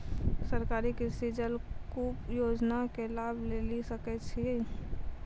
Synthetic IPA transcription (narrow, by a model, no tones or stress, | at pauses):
səɾkaːɾikisid͡ʒəlkuːpjoːd͡ʒnakelaːbʱlelisəkɛt͡ʃʰi